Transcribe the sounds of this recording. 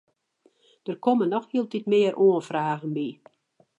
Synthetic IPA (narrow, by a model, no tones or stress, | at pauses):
d̥ərkomənːɔxhiəlˠtitmɪːərʔoənfraːɣənbi